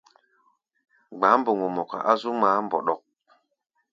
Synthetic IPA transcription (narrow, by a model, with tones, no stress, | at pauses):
ɡ͡ba˨˦mbo˨ŋo˨mɔ˨ka̰˨ʔa˦zu˦maː˨˦mbɔ̰˨ɗɔ˨k̚